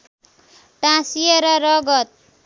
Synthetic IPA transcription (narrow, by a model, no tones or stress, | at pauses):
ʈãsijʌɾʌɾʌɡʌt̪̚